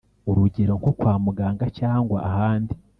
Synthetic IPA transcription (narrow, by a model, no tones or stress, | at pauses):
uɾuɟe̞ɾo̞ŋko̞kwaːmuɡaːŋɡacaːŋɡwa̰ʔahaːndi